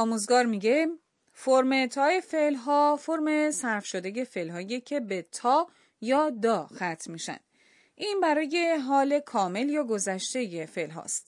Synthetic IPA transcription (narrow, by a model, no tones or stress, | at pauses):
ɒːmuːzɡɒːɾmiːɡe̞ | foɾmet̪ʰɒːefelɦɒːfo̞ɾme̞sæɾfʃod̪e̞je̞fe̞lɦɒːjecʰe̞bet̪ʰɒː | jɒːd̪ɒːxæt̪ʰmiːʃæ̰nd̪̥ | ʔiːnbæɾɒːje̞ɦɒːle̞kʰɒːme̞ljɒːɡo̞zæʃt̪e̞jefe̞lɦɒ̰ːst̪